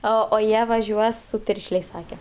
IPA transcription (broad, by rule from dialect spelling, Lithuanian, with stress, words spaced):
ˈoː oː ˈjiɛ ʋɐˈʒʲuɔs sʊ ˈpʲɪrʲʃʲlʲeːsʲ ˈsɑːkʲɛ